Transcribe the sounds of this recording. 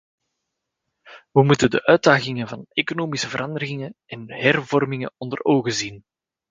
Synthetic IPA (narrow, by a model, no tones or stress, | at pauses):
ʋəmutəndəʔœːdaːɣɪŋənvɑnekonoːmisəvəɾʔɑndəɾɪŋəɛnhɛrvɔrmɪŋə̰ɔndəroːɣəzin